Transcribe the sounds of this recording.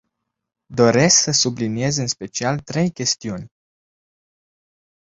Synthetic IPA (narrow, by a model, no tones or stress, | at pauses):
d̪o̞ɾe̞sksəsublinie̞zɨnspe̞t͡ʃialt̪ɾe̞jkʲe̞st̪iunʲ